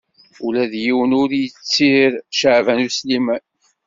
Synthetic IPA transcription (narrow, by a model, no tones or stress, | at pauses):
ulæðjiwənʊɾjət͡sːiɾʃəʕvænuslimæn